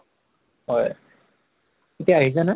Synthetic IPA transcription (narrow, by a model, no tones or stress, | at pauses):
ɦɔj | etijaːɦizana